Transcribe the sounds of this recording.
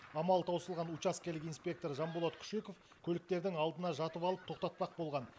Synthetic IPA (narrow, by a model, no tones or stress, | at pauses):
ɑmɑlˠt̪ʰɑwsəlˠʁɑnut͡ʃaskʲelɪkijnspʲe̞k̚t̪o̞ɾʒɑmbolˠot̪kʰʏ̥ʃe̞ko̞f | kʲʰɵlɪk̚t̪e̞ɾd̪ɪŋɑlˠd̪ənɑʒɑt̪əpɑlˠəp̚t̪ʰo̞qt̪ɑt̪̚pɑq̚bo̞lˠʁɑn